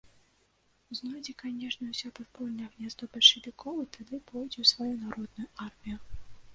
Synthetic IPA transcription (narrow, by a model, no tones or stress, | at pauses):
uznɔdʲikanʲɛʂnʲɛwsʲapɔt̪pɔlʲnɐɣnʲazd̪ɔbɐlʲʃʂevʲikʰɔlˠɐt̪ʰad̪ɪpɔjdʲɛwsvajunaɾɔd̪̚nʊjʊarmʲijʊ